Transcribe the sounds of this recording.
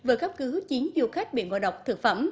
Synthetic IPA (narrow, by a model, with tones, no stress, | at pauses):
vɨː˨˩kaː˦˥p̚kɨ˨˦t͡ɕi˨˦ənzu˧xa˦˥jk̚ɓḭ˧˨ənva̰˧˨˩ɗə˨˩wk͡p̚t̪ʰɨ˨˩k̚fə̰˧˩m